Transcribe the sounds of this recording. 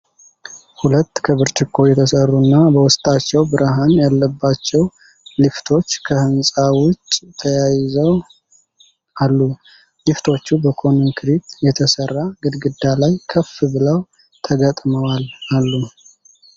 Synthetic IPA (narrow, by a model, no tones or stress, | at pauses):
hulət̪ːkʰəβɨɾt͡ʃʼɪkʰːo̞jɛt̪ʰəsərːunːabəwʊst̪ʼat͡ʃːɛwbɨɾʔaɦanjalːəbːat͡ʃːɛw | lift̪ʰo̞t͡ʃːkʰəhɨnsʼawʊt͡ʃʼːt̪ʰəjajɪzəw | ʔalːu | lift̪ʰo̞t͡ʃːubəkʰo̞nŋkʰɾit̪jɛt̪ʰəsərːaɡɨd̪ɡɨd̪ːalajkʰəfːɨbɨləw | t̪ʰəɡət̪ʼməwalalːu